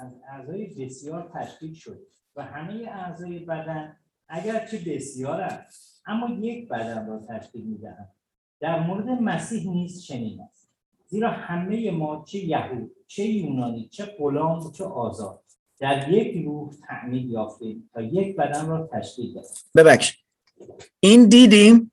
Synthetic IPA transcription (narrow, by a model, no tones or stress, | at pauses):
æzæzɒːjebe̞sjɒːɾt̪ʰæʃciːkʃo̞d̪ | væhæme̞jeʔæzɒːjebæd̪æn | æɟæɾt͡ʃʰe̞be̞sjɒːɾæs | ʔæmːɒːje̞cʰbæd̪ænrɒːt̪ʰæʃciːlmiːd̪æ̰ʔænd̪̚ | d̪̥æɾmoɾe̞d̪e̞mæsiːɦniːst̪ʃe̞niːd̪æ̰m | ziːɾɒːhæme̞je̞mɒːt͡ʃʰe̞jæhuːd̪̥̚t͡ʃʰe̞juːnɒːniːt͡ʃʰe̞ɢo̞lɒːmt͡ʃʰeʔɒːzɒ̰ːd̪̥̚ | d̪̥æɾje̞cʰɾuːht̪ʰæʔmiːljɒːft̪et̪ʰɒːje̞cʰbæd̪ænrɒːt̪ʰæʃciːd̪d̪æ̰d̪æ | bebækʃi̥ | ind̪iːd̪im